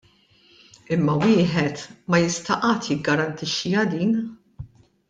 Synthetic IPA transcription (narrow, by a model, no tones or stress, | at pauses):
ɪmːɐwɪːħɛt̪mɐjɪst̪ɐʔɐːt̪jɪɡːɐɾɐnt̪ɪʃːiɐd̪iːn